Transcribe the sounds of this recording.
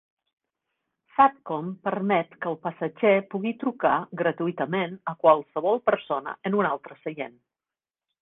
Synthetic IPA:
sap̚kɔmpərmɛt̪kəːlˠpəsəʒepuɣit̪ɾukaɡɾət̪uit̪əmenəkwalˠsəβ̞ɔlˠpəɾsonə̰ənunalˠt̪ɾəsəjḛn

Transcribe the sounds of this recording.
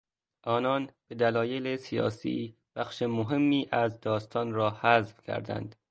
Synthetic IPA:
ʔɒːnɒːnb̥e̞d̪ælɒːjelesijɒ̰ːsḭː | b̥æxʃemoɦe̞mːiːʔæzd̪ɒːst̪ʰɒːnɾɒːhæzvcʰæ̰ɾd̪æ̰nd̪̥

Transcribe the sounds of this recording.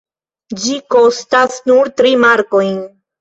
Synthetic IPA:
d͡ʒiko̞stasnuɾtɾimaɾko̞jn

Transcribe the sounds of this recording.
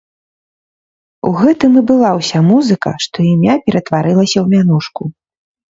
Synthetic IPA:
ṵɣɛt̪ɨmɨbɨlˠawsʲamuzɨkɐ̰ʂt̪ɔimʲapʲɛɾɐt̪vaɾɨlˠɐsʲɐwmʲanuʂku

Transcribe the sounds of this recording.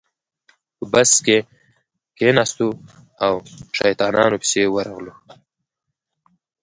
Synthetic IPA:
pəbaske | kenɑst̪u | awʃa̰jt̪ɑnɑ̰nopi̥sewəɾaɣlu

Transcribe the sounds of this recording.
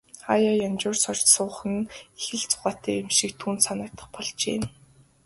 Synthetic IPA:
χajɔjamt͡ɕʊːrsɔr̥ʲtsʊːχə̆nexɘ̆ɮt͡sʊ̥χaːt̪æːemʃikt̪ʰuːnt̪sanɪ̆ːt̪ə̥̆χpɔɮt͡ɕḛːn

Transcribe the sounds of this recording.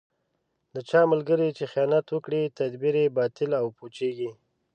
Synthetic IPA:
d̪ət͡ʃɑməlɡəɾet͡ʃexijɑnat̪wəkɽit̪ad̪biɾebɑt̪ɪlawpot͡ʃeɡi

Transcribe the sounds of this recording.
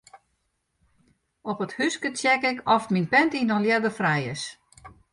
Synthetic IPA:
ɔpəthyskətjɛkɪkɔftminpɛntinɔnljɛdəfrɛjə̰s

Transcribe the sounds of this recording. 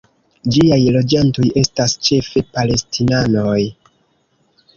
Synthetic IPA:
d͡ʒiajlo̞d͡ʒanto̞je̞stast͡ʃe̞fe̞pale̞stʰinanoj

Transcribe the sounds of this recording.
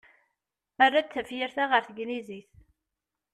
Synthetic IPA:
ærˤːaθæfjiɾθaʁəɾθəɡniziθ

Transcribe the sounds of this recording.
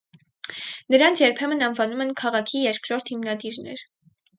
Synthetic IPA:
nəɾɑnt͡sʰjɛɾpʰɛmənɑnvɑnumɛnkʰɑʁɑkʰijɛɾkʰɾɔɾt̪himnɑd̪iɾnɛ̰ɾ

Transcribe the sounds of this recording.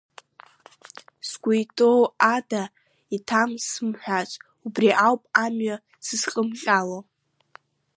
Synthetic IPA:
sɡʷujtʼowada | itʰamsɨmħʷᶣat͡ʃʷʼ | ubriʔawpʼamɥa | sɨzχʼəmχʲʼalo

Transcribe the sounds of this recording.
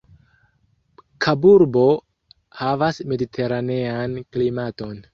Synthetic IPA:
kʰabuɾbo̞ | havasme̞ditʰe̞ɾane̞anklimato̞n

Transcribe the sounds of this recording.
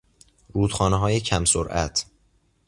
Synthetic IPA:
ɾuːd̪̥xɒːneɦɒːjecʰæmsoɾʔæ̰t̪ʰ

